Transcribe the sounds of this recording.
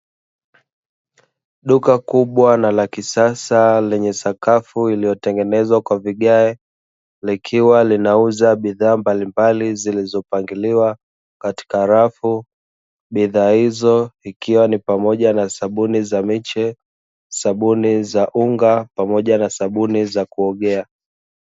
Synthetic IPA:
ɗukakuɓwanalakisasalɛɲɛsakafuilijɔtɛŋɡɛnɛzwakwaviɠaɛ | likʰiwalinauzaɓiðaːmbalimbalizilizɔpaŋɡiliwa | kati̥kaɾafu | ɓiðaːhizɔikiwanipamɔʄanasaɓunizamit͡ʃɛ | saɓunizaʔuŋɡapamɔʄanasaɓunizakuɔɠɛa

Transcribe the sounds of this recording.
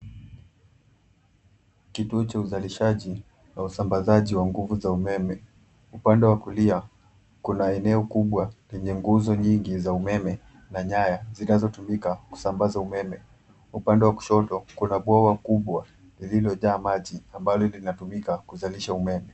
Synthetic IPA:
kituɔt͡ʃauzaliʃaʄi | nausambazaʄiwaŋɡuvuzaumɛmɛ | upandɛwakulia | kunaɛnɛɔkuɓwalɛɲɛŋɡuzɔɲiŋɡizaumɛmɛ | naɲajazinazɔtumikaku̥sambazaumɛmɛ | upandɛwaku̥ʃɔtɔkunaɓwɔwakuɓwa | lililɔʄaːmaʄiambalɔlinatumikakuzaliʃaumɛmɛ

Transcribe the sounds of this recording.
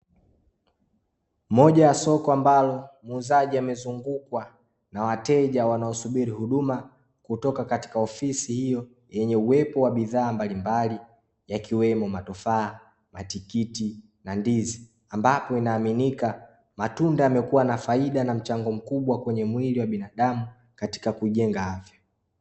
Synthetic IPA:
mɔʄajasɔkɔambalɔmuzaʄiamɛzuŋɡukwa | nawatɛʄawanaɔsuɓiɾihuɗuma | kutɔkakati̥kaɔfisihijɔ | jɛɲɛuwɛpɔwaɓiðaːmbalimbali | jakʰiwɛmɔmatɔfaː | matikiti | nandizi | ambapɔinaːminika | matundaamɛkuwanafaiɗanam̩t͡ʃaŋɡɔm̩kuɓwakwɛɲɛmwiliwaɓinaɗamu | kati̥kakuiʄɛŋɡahavja

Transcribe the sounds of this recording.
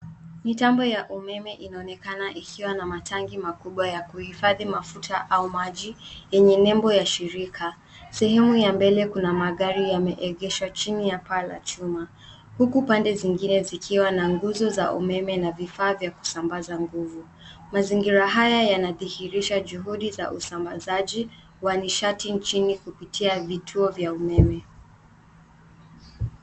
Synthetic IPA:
mitambɔjaʔumɛmɛʔinaɔnɛkanaʔikʰiwanamatʰaŋɡimakuɓwajakuhifaðimafutʰaʔaumaʄijɛɲɛnɛmbɔjaʃiɾikʰa | sɛɦɛmujambɛlɛkunamaɠaɾijamɛʔɛɠɛʃwat͡ʃinijapala̰t͡ʃuma | hukupandɛziŋɡinɛzikʰiwanaŋɡuzɔza̰ʔṵmɛmɛnavifaːvjaku̥sambazaŋɡuvu | maziŋɡiɾaɦajajanaðihiɾiʃaʄuɦuɗiza̰ʔusambazaʄi | waniʃatint͡ʃinikupitʰiavitʰuɔvjaumɛmɛ

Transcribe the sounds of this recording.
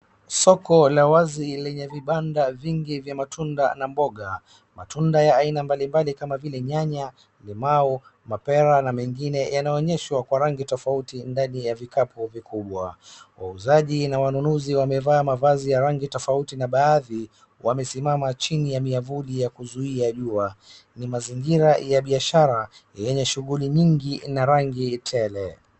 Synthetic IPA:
sɔkɔlawazilɛɲɛviɓandaviŋɡivjamatʰunda̰nambɔɠa | matʰundajaːinambalimbalikamavilɛɲaɲa | limau | mapɛɾanamɛŋɡinɛjanaɔɔɲɛʃwakwaɾaŋɡitɔfautindanijavikapʰuvikʰuɓwa̰wa̰uzaʄinawanunuziwamɛvaːmavazijaɾaŋɡitɔfautinaɓaːði | wamɛsimamat͡ʃinijamiavulijakuzuiaʄua | nimaziŋɡiɾajaɓiaʃaɾa | jɛɲɛʃuɣuliɲiŋɡinaɾaŋɡitʰɛlɛ

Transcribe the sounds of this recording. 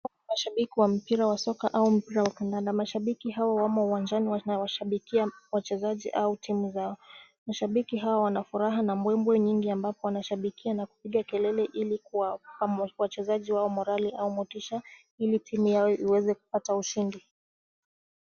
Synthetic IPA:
wa | maʃaɓikiwam̩piɾawasɔkaʔaum̩piɾawakandandamaʃaɓikiɦawawamauwand͡ʒaniwanawaʃaɓikiawat͡ʃɛzaʄḭʔautʰimuzaɔ | maʃaɓikiɦawawanafuɾaɦanambwɛmbwɛɲiŋɡiambapɔwanaʃaɓikianaku̥piɠakɛlɛlɛʔilikuwapawat͡ʃɛzaʄiwaɔmɔɾaliʔaumɔtiʃa | ilitʰimujajɔʔiwɛzɛku̥patauʃindi

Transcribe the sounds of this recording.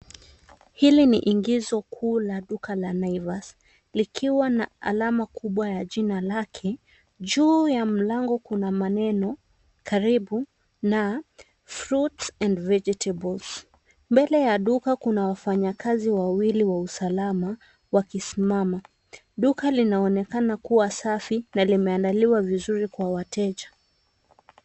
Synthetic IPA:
hilinḭʔiŋɡizɔkʰuːlaɗukalanaivas | likʰiwanaa̰lamakʰuɓwajaʄinalakʰɛ | ʄuːjam̩laŋɡɔkunamanɛnɔ | kaɾiɓu | na | fɾutsɛ̃ndvɛd͡ʒɛtʰɛbɔls | mbɛlɛjaɗukakunawafaɲakaziwawiliwausalama | wakisimama | ɗukalinaɔnɛkanakuwasafinalimɛandaliwavizuɾikwawatɛʄḁ

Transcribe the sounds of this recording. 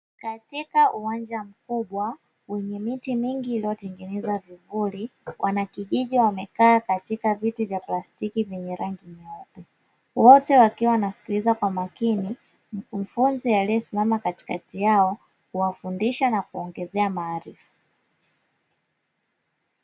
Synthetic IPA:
katikaʔuwaɲd͡ʒam̩kuɓwa | wɛɲɛmitimiŋɡiːliɔtɛŋɡɛnɛzavivuliwʔanakiʄiʄiwamɛkaːkatikavitivjaplastikivjɛɲɛɾaŋɡiɲɔtɛ | wɔtɛwakiwawnasi̥kilizakwamakini | m̩kum̩funzijalijɔsimamakati̥katijaɔ | huwafundiʃanakuɔŋɡɛzɛamaːɾifu̥

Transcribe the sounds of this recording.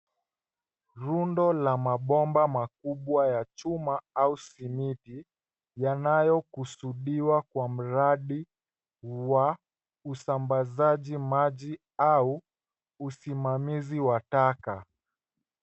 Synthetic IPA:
ɾundɔlamaɓɔmbamak̚uɓwajat͡ʃumaausimiti | janajɔkusuɗiwakwam̩ɾaɗi | wa | usambazaʄimaʄi | au | usimamiziwataka

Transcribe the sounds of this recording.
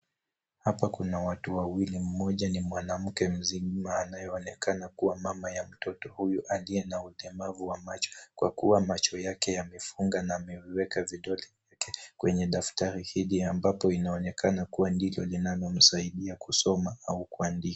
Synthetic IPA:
hapakunawatuwawilim̩mɔʄanimwanam̩kɛm̩zimaːnajɔːnɛkanakuwamamajam̩tɔtɔhujuʔalijɛnaulɛmavuwamat͡ʃɔ̥kwa̰kuwamat͡ʃɔjakɛjamɛfuŋɡanaːmɛviwɛkaviɗɔlivjakɛkwɛɲɛɗaftaɾihiliambapɔinaɔnɛkʰanakuwandilɔlinalɔm̩saiɗiakusɔmaaukuandika

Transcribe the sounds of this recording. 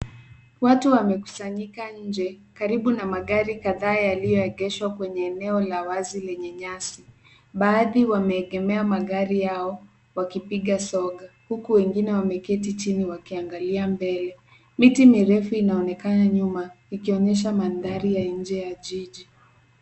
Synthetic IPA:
watuwamɛku̥saɲikaɲ̩d͡ʒɛkaɾiɓunamaɠaɾikaðaːjalijɔɛɠɛʃwakwɛɲɛːnɛɔlawazilɛɲɛɲasi | ɓaːðiwamɛːɠɛmɛamaɠaɾijaɔ | wakipiɠasɔɠahukuwɛŋɡinɛwamɛkɛtit͡ʃiniwakiaŋɡaliambɛlɛ | mitimiɾɛfuinaɔnɛkanaɲuma | ikiɔɲɛʃ̬amandaɾijaɲ̩d͡ʒɛjaʄiʄi

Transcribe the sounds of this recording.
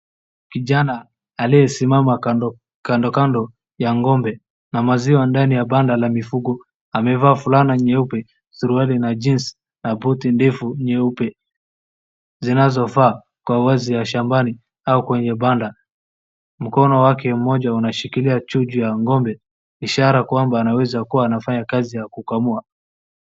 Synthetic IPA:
kiʄanaː | lijɛsimama | kandɔkandɔ | jaŋɡɔmbɛ | namaziwandanijaɓandalamifuɡɔ | amɛvaːfulanaɲɛupɛ | suɾualinad͡ʒinsi̥ | nabutindɛfuɲɛupɛ | zinazɔvaː | kwawazijaʃambani | aukwɛɲɛɓanda | m̩kɔnɔwakɛm̩mɔʄaunaʃikiliat͡ʃud͡ʒujaŋɡɔmbɛ | iʃaɾakwambaːnawɛzakuwaːnafaɲakazijakukamua

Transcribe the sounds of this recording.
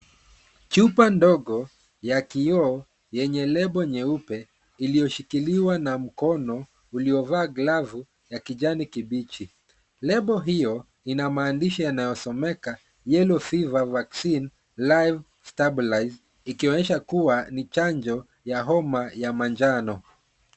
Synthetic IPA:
t͡ʃupandɔɠɔ | jakiɔː | jɛɲɛlɛɓɔɲɛupɛ | ilijɔʃikiliwanam̩kɔnɔ | uliɔvaːɡlavu | jakiʄanikiɓit͡ʃi | lɛɓɔɦijɔ | inamaːndiʃijanajɔsɔmɛka | jɛlɔfivavaksin | lajv | stabilajz | ikiɔɲɛʃakuwanit͡ʃaɲd͡ʒɔ | jaɦɔmajamand͡ʒanɔ

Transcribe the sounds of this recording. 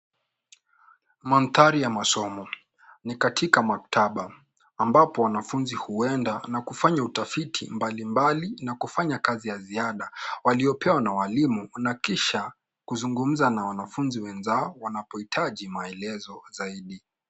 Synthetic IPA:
manθaɾijamasɔmɔ | nikatʰikamaktʰaɓaː | mbapɔwanafunzihuɛndanakufaɲautafitʰḭmbalimbalinakufaɲakazijaziaɗawaliɔpʰɛwanawalimunakiʃa | kuzuŋɡum̩zanawanafunziwɛnzaɔwanapɔitʰaʄimaɛlɛzɔzaiɗi

